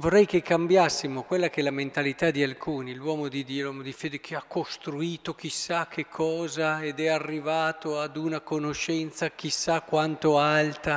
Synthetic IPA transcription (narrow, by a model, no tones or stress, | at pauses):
vorːɛjk̟ekːambjasːimokwelːak̟ɛlament̪alit̪ad̪ialkʰuːnilwɔːmod̪id̪iːolwɔmod̪ifeːd̪ek̟ʰeakːost̪ɾuiːt̪ok̟isːak̟ʰːekʰːɔːzaed̪ɛarːivaːt̪oad̪unakonoʃɛnt̪sak̟isakːwant̪oalt̪a